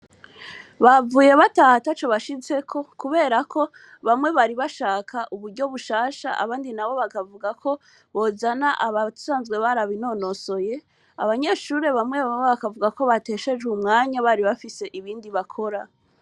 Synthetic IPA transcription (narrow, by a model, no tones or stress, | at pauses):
βavuːje̞βataːhatat͡ʃo̞βaʃize̞kʰo̞kuβe̞ːɾakʰo̞ | βamŋe̞βaɾiβaʃaːkʰaʔuβuɾɟo̞βuʃaːʃa̰ʔa̰βaːndinaβo̞βakavuɡakʰo̞ | βo̞zanaʔaβau̥saːnzɡwe̞βaɾaβino̞no̞so̞je̞ | a̰βaɲe̞ːʃuɾe̞βamŋe̞βaeβakavuɡako̞βate̞ʃe̞ʒumŋaːɲaβaɾiβafise̞ʔiβiːndiβakʰo̞ɾa